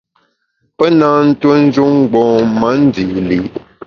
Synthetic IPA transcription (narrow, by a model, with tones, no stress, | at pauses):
pɛ˦naː˦n̩˦two˦n̩˦d͡ʒu˦ŋ˦˨ɡ͡bɔ̃ː˨ma˨˦n̩˦di˨ʔli˨